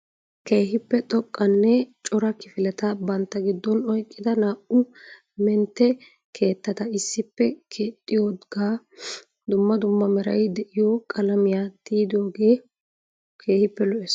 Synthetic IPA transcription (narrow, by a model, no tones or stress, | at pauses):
ke̞ːɦɪpːɛt̪ʼɔkʼːɐnːɛt͡ʃʼɔɾɐkɪfɪlɛt̪ɐbɐnt̪ːɐɡɪd̪ːɔnɔjkʼːɪd̪ɐnaːʔʊ | mɛnt̪ːɛ | kʰe̞ːt̪ːɐt̪ɐɪsːɪpːɛkʰeːt̪ʼːɪjoːdɡaː | d̪ʊmːɐd̪ʊmːɐmɛɾɐ̰jd̪ɛʔɪjɔkʼɐlɐmɪjat̪iːd̪oːɡe̞ː | kʰe̞ːhɪpːɛlɔʔɛs